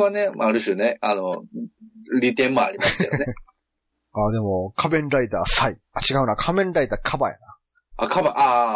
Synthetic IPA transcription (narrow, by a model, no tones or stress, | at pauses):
ane̞aɾɯ̟ɕoneano | ɾʲit̪ẽ̞mːoa̰ɾimḁeone | ad̪e̞mo̞kʰabẽ̞nɾait̪aːsai | at͡ɕiɡaɯ̟nakʰamẽ̞nɾait̪akʰabaja̰na | akabaʔa